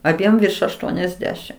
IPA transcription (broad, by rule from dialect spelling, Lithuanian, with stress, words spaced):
ɐˈbʲiɛm ʋʲɪrʃ ɐʃˈtuɔnʲɛzʲˌdʲæːʃʲɪm